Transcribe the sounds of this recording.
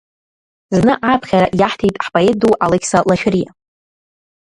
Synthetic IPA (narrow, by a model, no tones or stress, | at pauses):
znɨʔapʰχʲaɾaʔjaħtʰejtʼħpʼoeduʔalekʰʲsalaʃᶣɪrija̰